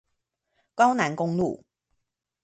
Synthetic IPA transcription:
kɑ˥ʊna˧˥nkʊ˥ŋlṵ˥˨˩

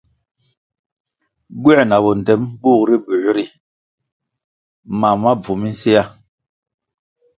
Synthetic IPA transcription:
ɡwɛ˦˨na˨bɔ˨n˨tɛ˨˦mɓuː˦˨kɾi˦bu˨˦ɾi˦˨ | ma˨ma˦b͡vu˨mi˦n̩˦se˦ja˦˨

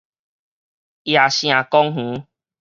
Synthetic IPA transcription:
ja˨ɕj̃ã˨kɔ˦ŋɦũ˨˦

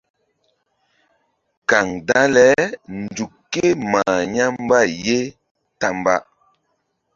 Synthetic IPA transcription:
ka˨ŋda˦lɛ˦n̩˨du˨kːe˦maː˨ɲa˦m˦ba˦˨je˦ | ta˦m˦ba̰˦ʔ

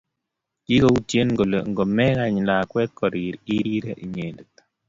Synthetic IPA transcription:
ki˦ko˦u˦tje˦nɡo˨lŋɡo˨mɛ˦ɣa˨ɲla˨kwɛ˦t̪̚kɔ˨ɾi˨ɾi˦ɾi˦ɾe˦ʔi˨ɲe˨ndt̪

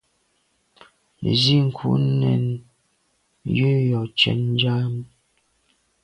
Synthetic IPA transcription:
ḛ˨zi˦ŋ̩˨kʰṵ˦nɛ˨n | jʉ˦jɔ˨t͡ʃɛ̰˦nn˦d͡ʒa˦m˦

